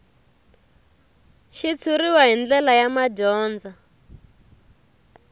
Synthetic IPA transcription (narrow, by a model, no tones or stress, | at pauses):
ʃit͡sʰuɾiwaɦind͡ɮɛlajamaɟɔːnd͡za